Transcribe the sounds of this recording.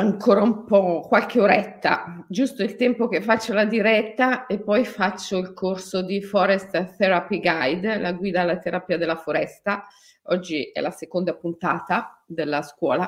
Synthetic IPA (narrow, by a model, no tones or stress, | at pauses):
aŋkʰoːɾaumpɔkwalkeoɾɛt̪ːa̰d͡ʒust̪oilt̪ɛmpokefːat͡ʃːolad̪iɾɛt̪ːaepːɔjfat͡ʃːoilkʰorsod̪ifɔɾɛst̪θɛɾapiɡajd̪laɡwiːd̪aːlːat̪eɾapiːad̪elːafoɾɛst̪a | ɔd͡ʒːiɛ̰lasekond̪apunt̪aːt̪ad̪elːaskwɔːla